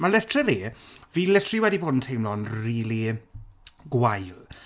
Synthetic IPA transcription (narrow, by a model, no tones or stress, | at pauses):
malɛtʰrɛliːviːlɛtʰriwɛdiboːdn̩tʰejmlɔnriːli | ɡwajl